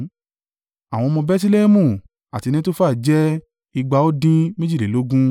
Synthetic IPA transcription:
a˨w̃ɔ̃˧mɔ̃˧bɛ˦s̬i˦le˦mũ˦˨ | a̰˨ti˧nĩ˦to˦faː˦˨d͡ʒɛ˦ | i˧ɡ͡ba˧˦o˦dĩ˦mẽ˦d͡ʒi˦˨le˨lo˨˦ɡũ˦

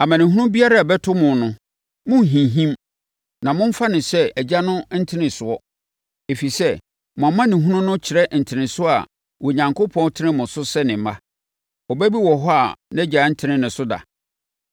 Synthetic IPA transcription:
a˨mã˨nɪ̃˨ɦũ˦nʊ̃˦bi˦a˦ɾa˦˨bɛ˦tʰʊ˦mʊ̃˨nʊ̃˦ | mʊ̃˦˨ɦĩ˨ɦĩ˦m | nã˨mʊ̃˦m̩˦fa˦nɪ̃˨sɛ˦æ˨d͡ʑa˦nʊ̃˦n̩˦tʰɪ˦nɪ̃˨sʊ˨ɔ˦ | e˨fi˨sɛ˦ | mʊ̃˨a˨mã˦nɪ̃˨ɦũ˦nʊ̃˦nʊ̃˦t͡ɕʰɪ˨ɾɛ˦n̩˨tʰɪ˨nɪ̃˨sʊ˦a̰˨ | wɔ˨ɲã˨ŋkʰo˦pʰɔ̃˦n˦tʰɪ˦nɪ̃˦mʊ̃˨sʊ˦sɛ˦nɪ̃˨mã˦ | ɔ˨bæ˦bi˦wɔ˨ɦɔ˦a˨nɛ˦d͡ʑa˨˦n̩˦tʰɪ̃˦nɪ̃˦nɪ̃˨sʊ˦da̰˨

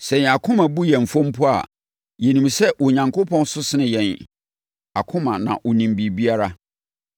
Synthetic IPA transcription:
sɛ̃˨a˨kʰʊ̃˦mã˨bu˦jɛ̃˨m̩˨fɔ̃˦m̩˦pʰʊ˦a̰˨ | jɛ˨nĩ˨msɛ˦wɔ˨ɲã˨ŋkʰo˦pʰɔ̃˦n˦sʊ˦sɪ˦nɪ̃˨jɛ̃˨n | a˨kʰʊ̃˦mã˨nã̰˨ʔɔ˨nĩ˨m˨bi˨bi˦a˦ɾa˦

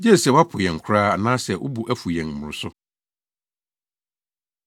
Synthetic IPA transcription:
d͡ʑɛ˦˨sɛ˨wa˦pʰʊ˨jɛ̃˨ŋ˨kʷʰʊ˦ɾaː˦a˨nãː˦sɛ˨ʔʊ̰˦bu˨ʔæ˦fu˨jɛ̃˨ŋm̩˨ʊ̃˨ɾʊ˦sʊ˦

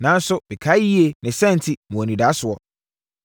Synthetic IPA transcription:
nã˨˦n̩˦sʊ˦bɛ˨kʰa˨˦ji˦e˨nɪ̃˨sɛ̃˦n̩˨tʰɪ˦mɔ̃˨ɔ˨nĩ˨da˨˦sʊ˨ɔ˨

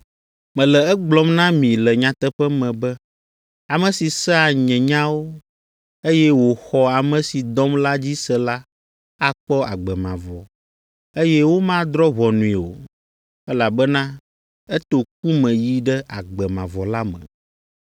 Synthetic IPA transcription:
mɛ̃˨lɛ˨ɛ˦ɡ͡blɔ˦mnã˦mĩ˨lɛ˨ɲã˨t̪ɛ˦ɸɛ˦mɛ̃˨bɛ˦ | a˨mɛ̃˨si˨sɛ˦a˨ɲɛ̃˨ɲã˦wo˦ | e˦jɛ˦wo˨xɔ˦a˨mɛ̃˨si˨d̪ɔ˦mla˦d͡ʑi˦sɛ˦la˦ | a˦k͡pɔ˦a˨ɡ͡bɛ˨mã̰˨vɔ˨ | e˦jɛ˦wo˦mã˦d̪ɾɔ˦βɔ˨nũ˨i˨o̰˨ | ɛ˦la˨bɛ˦nã˦ | ɛ˦t̪o˨k̚u˦mɛ̃˨ji˦ɖɛ˦ʔa˨ɡ͡bɛ˨mã̰˨vɔ˨la˦mɛ̰̃˨

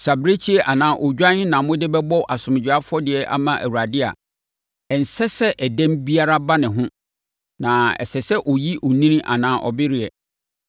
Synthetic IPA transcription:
sa˨bɾe˦t͡ɕʰi˦ɛ˦˨ʔa˨nãː˦ʔɔ˨d͡ʑᶣã˦nɪ̃˦nã˨mʊ̃˦dɪ˦bɛ˦bɔ˦ʔa˨sʊ̃˨m˨d͡ʑᶣa˦fʊ˦ɔ˦dɪ˨ɛ˦ʔa̰˦mã˦ʔæ̰˨wu˨ɾa˨dɪ˦a̰˨ | ɛ˨n̩˨sɛ˦sɛ˦ʔæ˨dɛ̃˦mbi˦a˦ɾa˦ba˦nɪ̃˨ɦʊ̃˦ | nã˨ɛ̰˨sɛ˨sɛ˦ʔɔ˨ji˦ʔɔ˨nĩ˦nĩ˦ʔa̰˨nãː˨˦ʔɔ̰˨bɪ˦ɾɪ˨ɛ˨

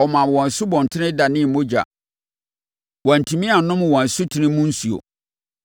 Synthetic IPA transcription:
ɔ˨mã˨wɔ̃˨n˨sʊ˦bɔ̃˨n̩˨tʰɪ˦nɪ̃˦da˨nɪ̃˦˨mõ˦d͡ʑa̰˨ | wɔ̃˨n̩˨tʰĩ˨mĩ˦a˨nʊ̃˦m˨wɔ̃˨n˨sʊ˦tʰi˨nɪ̃˦mʊ̃˦n̩˦su˨o̰˨

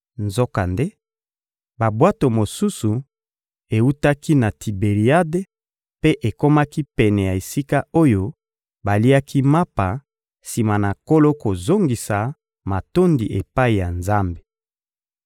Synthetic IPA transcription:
nzo˦ka˨nde˦ | ba˨bwa˦to˨mo˨su˦su˨ | e˨u˦ta˦ki˦na˨ti˨be˨ʁi˨a˦de˦ | pe˦ʔe˨ko˦ma˦ki˦pɛ˨nɛ˨ja˨e˨si˦ka˦o˦jo˦ | ba˨li˦a˦kʰi˦ma˦pa˨ | si˨ma˨na˨ko˦lo˦ko˨zo˦ŋɡi˨sa˨ | ma˨to˦ndi˨ʔe˨pa˦i˨ja˨nza˦mbe̥˨

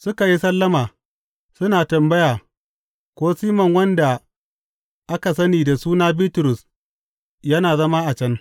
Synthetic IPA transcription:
sʊ˦ka˨ji˦sɐ˦lːɐ˦maː˨ | sʊ˦naː˨tɐ˨mbɐ˦jaː˨ | kʷoː˦siː˦mɐ˨ŋwɐ˦nda˨ | ʔa˦ka˨s̬ɐ˦niː˨da˨suː˦naː˦biː˦tʊ˨ɾʊ˨s | jɐ˦naː˨zɐ˦maː˦ʔa˨t͡ʃɐ˦n

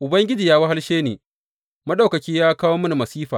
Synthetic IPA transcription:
ʔʊ˨bɐ˦ŋɡʲɪ˦d͡ʒiː˨jaː˦wɐ˦ɦa˦lʃeː˦neː˨ | mɐ˦ɗa˨wkɐ˨kʲiː˦jaː˦kaː˦woː˦mɐ˦na˨mɐ˨siː˦ɸa̰ː˨

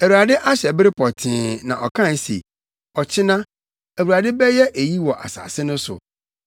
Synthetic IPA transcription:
æ˨wu˨ɾa˨dɪ˦ʔa˦ɕɛ˨bɪ˦ɾɪ˦pʰɔ˨tʰɪ̃ː˨˦nã˨ʔɔ˨kʰã˦˨n˦sḛ˨ | ɔ˨t͡ɕʰɪ˦nã˦ | æ˨wu˨ɾa˨dɪ˦bɛ˦jɛ˦ʔe˨ji˦wɔ˨ʔa̰˨sa̰ː˨sɪ˦nʊ̃˦sʊ̰˨

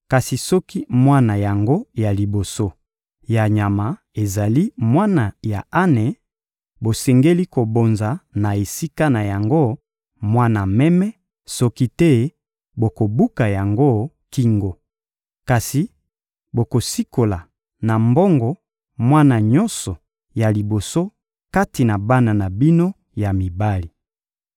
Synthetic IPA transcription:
ka˨si˨sɔ˦ki˦mwa˦na˨ja˨ŋɡo˦ja˨li˨bo˨so˦ | ja˨ɲa˨ma˨ | e˨za˨li˦mwa˦na˨ja̰˨a˦nɛ˨ | bo˨sɛ˨ŋɡe˦li˦ko˨bo˨nza˨na˨e˨si˦ka˦na˨ja˨ŋɡo˦ | mwa˦na˨mɛ˦mɛ˦ | sɔ˦ki˦tɛ˦ | bo˨ko˨bu˦ka˨ja˨ŋɡo˦ | ki˨ŋɡo˨ | ka˨si˨ | bo˨ko˨si˦ko˨la˨ | na˨mbɔ˦ŋɡɔ˨ | mwa˦na˨ɲɔ̃˦nsɔ˨ | ja˨li˨bo˨so˦ | ka˦ti˨na˨ba˦na˨na˨bi˦no˦ | ja˨mi˨ba˦li˨

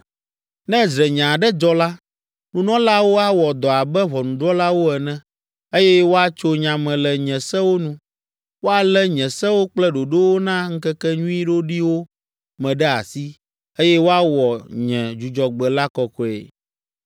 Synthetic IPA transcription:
nɛ̃˦d͡ʒɾɛ˨ɲã˨ɖɛ˦d͡ʒɔ˦la˦ | nũ˨nɔ̃˦la˦wo˦a˦wɔ˨d̪ɔ˨a˨bɛ˦βɔ˨nũ˨ɖɾɔ˦la˦wo˦ɛ˨nɛ̃˦ | e˦jɛ˦wo˦a˦t͡ʃo˦ɲã˨mɛ̃˨lɛ˨ɲɛ̃˨sɛ˦wo˦nũ˦ | wo˦a˨lɛ˦ɲɛ̃˨sɛ̃˦wo˦k͡plɛ˦ɖo˨ɖo˦wo˦nã˦ŋ̩˦kɛ˦kɛ˦ɲũ˦i˦ɖo˦ɖi˦wo˦ | mɛ̃˨ɖɛ˦a̰˨si˦ | e˦jɛ˦wo˦a˦wɔ˨ɲɛ̃˨d͡ʒu˨d͡ʒɔ˨ɡ͡bɛ˨la˦kɔ˨kɔ˨ɛ̰˨

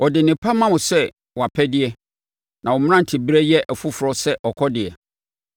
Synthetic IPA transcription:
ɔ˨dɪ˨nɪ̃˨pʰa˦mã˦wʊ̃˨sɛ˦ | wa˨pʰɛ˦dɪ˦ɛ˦ | nã˨wɔ˨m̃˦ã˦n̩˨tʰɪ˨bɾɛ˦jɛ˦ʔæ˨fu˦fʊ˨ɾɔ˦sɛ˦ʔɔ˨kʰɔ˦dɪ˨ɛ̰˨

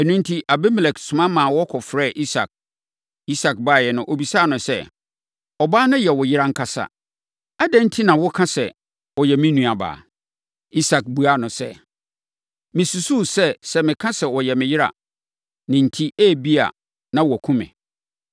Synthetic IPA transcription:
æ˨nũ˦n̩˦tʰi˦ʔa˨bɛ˦mɛ˨lɛ˨ksʊ̃˨mã˦mãː˨wɔ˦kʰɔ˨fɾɛː˦˨ʔi˦sa̰˨k̚ | i˦sa˨k̚ba˦˨jɛ˨nʊ̃˨ʔo˨bi˨sa˦˨nʊ̃˨sɛ˦ | ɔ˨baː˦nʊ̃˦jɛ˨wɔ˨jɪ˦ɾa˦ŋ̩˦kʰa˦sa̰˨ | a˦dɛ̃˦n̩˦tʰi˦nã˨wɔ˦kʰã˦sɛ˨ | wɔ˨jɛ˨mɪ̃˦nũ˨a˨ba̰ː˨ | i˦sa˨k̚bu˨˦a˦nʊ̃˨sɛ̰˦ | mɪ̃˨su˨su˦sɛ˦sɛ˦mɪ̃˨kʰã˦sɛ˨wɔ˨jɛ˨mɪ̃˨jɪ˦ɾa̰˨ | nɪ̃˨n̩˨tʰi˦ʔæː˦˨bi˦a̰˨ | nã˦wɔ˨kʰũ˦mɛ̰̃˨

